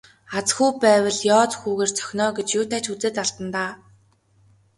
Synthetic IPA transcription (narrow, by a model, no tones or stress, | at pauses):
at͡sxuːpæːwə̆ɮjɔːt͡sxuːɣeːrt͡sʰœ̥xʲnɔːɡet͡ɕjuːt̪ʰæːt͡ɕut͡seːt̪aɮt̪ə̆nt̪aː